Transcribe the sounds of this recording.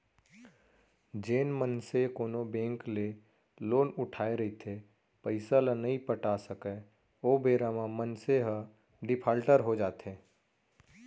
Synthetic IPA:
d͡ʒeːnmənsekoːnobẽːŋkle | loːnʊʈʰaːeɾəɦit̪ʰe | pəɪsalãnɐɦĩpəʈasəke | oːbeːɾamãmənseɦə | ɖɪpʰaːlʈəɾɦod͡ʒaːt̪ɦẽː

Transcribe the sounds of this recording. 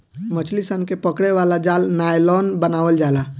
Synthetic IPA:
mət͡ʃʰlisənkepəkɽeʋaːlad͡ʒaːlnaːjlɔːnbənaːʋəld͡ʒaːlaː

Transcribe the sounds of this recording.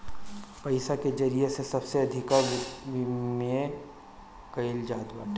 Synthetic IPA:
pɐɪsaked͡ʒɐɾijesesɐbseɐd̪ʱɪka | mẽ | kɐɪld͡ʒaːt̪ba̰ːʈː

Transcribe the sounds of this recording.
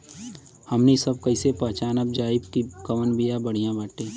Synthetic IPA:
hɐmnisɐbkɐɪsepɐːt͡ʃaːnəb̚d͡ʒaːɪbkikɐʋənbijabɐɽ̤ijãbaːʈẽː

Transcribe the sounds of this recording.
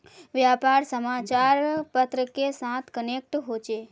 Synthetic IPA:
ʋjapaɾsəmat͡ʃaɾpət̪ɾəkesãt̪ʰkənek̚ʈɦot͡ʃe

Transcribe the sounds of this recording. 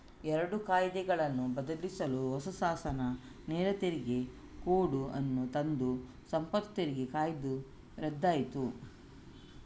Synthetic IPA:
ɛɾɐɽukaːjd̪ɛɡɐɭɐnːubɐd̪ɐlisɐluɦɔsusaːsɐnɐ | neːɾɐt̪eɾiɡe̞ | koːɽuʔɐnːut̪ɐnd̪u | sɐmpɐt̪t̪eɾiɡekaːjd̪u | ɾɛd̪ːaːjit̪u

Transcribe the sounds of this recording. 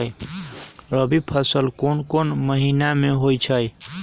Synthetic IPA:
j | ɾəbipʰəsəlkonkonməɦinameɦojt͡ʃʰəj

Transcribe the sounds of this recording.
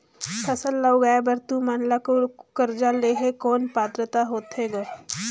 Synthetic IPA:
t̪ʰɐsəlːauɡaːbɐɾt̪umaːnlakokəɾd͡ʒaleːɦekɔːnpaːt̪ɾət̪aɦoːt̪ɦeːɡa

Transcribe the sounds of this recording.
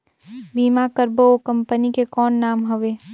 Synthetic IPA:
biːmakəɾbookɐ̃mpənikekɔːnːaːmɦɐʋeː

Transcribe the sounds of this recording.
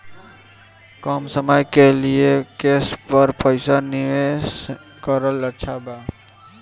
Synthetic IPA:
kɔːmsəmajkeliekeːspəɾpəɪsanɪʋes | kəɾələtːʃʰabaː

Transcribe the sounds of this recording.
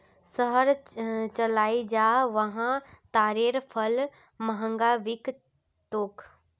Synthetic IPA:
səɦəɾt͡ʃɐlaːid͡ʒaːʋɐɦãt̪aːɾeːɾpʰəl | məɦə̃ŋɡaʋɪk | t̪oːk

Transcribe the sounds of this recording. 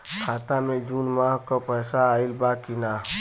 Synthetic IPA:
kʰaːt̪amẽd͡ʒuːnmaːɦkopəːsaːɪlbaːkina

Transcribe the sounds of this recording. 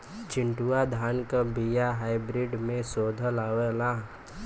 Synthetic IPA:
t͡ʃɪ̃ɳʈuad̪ʱaːnkabijaɦaːɪbɾɪɖmẽsoːd̪ʱəlaʋelã

